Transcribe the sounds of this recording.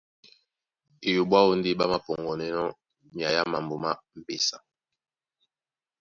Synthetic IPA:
e˨jo˨bwa˦o˦n˦de˦ba˦ma˨pɔ˨ŋɡɔ˨nɛ˦nɔ˦ | mja˨ja˦ma˨mbo˨ma˦m̩˨pe˨sa˨

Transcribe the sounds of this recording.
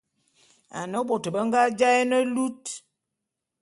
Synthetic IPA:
a̰˨nə˦ɓo˨tə˨bə˦ŋɡa˦d͡ʒa˦ɛ˦nə˦lu˦t

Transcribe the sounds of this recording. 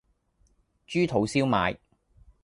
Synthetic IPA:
t͡ʃyː˥t̪ʰo˨˥wsiː˥wma̰ː˨˧j

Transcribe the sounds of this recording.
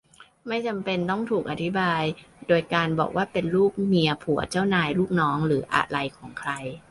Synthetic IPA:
ma˥˩jt͡ɕa˧mpe˧nt̪ɔ˥˩ŋt̪ʰuː˨˩kʔa˧t̪ʰi˦˥baː˧jdoː˧jkaː˧nbɔ̰ː˨˩k̚wʔaː˥˩pe˧nluː˥˩k̚ni˧ɐpʰu˩˦ɐ˦t͡ɕa˥˩wnaː˧jluː˥˩k̚nɔː˦˥ŋɾɯː˩˦ʔa̰˨˩la˧jkʰɔː˩˦ŋkʰɾa˧j

